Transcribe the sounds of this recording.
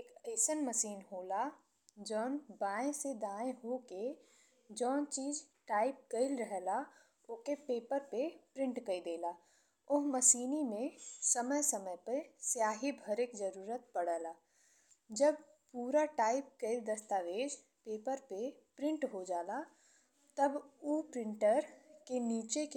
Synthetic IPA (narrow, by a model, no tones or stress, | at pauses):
eːkeːsənməsiːnɦoːla | d͡ʒɔːnbaːẽsed̪aːẽɦoke | d͡ʒɔːnt͡ʃiːzʈaːɪp̚kəɪlɾəɦla | ʊkepeːpəɾpepɾɪ̃ɳʈkəid̪eːlaː | ʊɦməʃiːnimẽsəməjsəməjpəsjaːɦibʱəɾɪkd͡ʒəɾuːɾət̪̚pəɽ̤əːlaː | d͡ʒəb̚ | puːɾaʈaːɪp̚kəɪld̪əst̪aːʋeːd͡ʒ | peːpəɾpepɾɪ̃ɳʈɦod͡ʒaːla | t̪əbupɾɪ̃ɳʈəɾkeniːt͡ʃek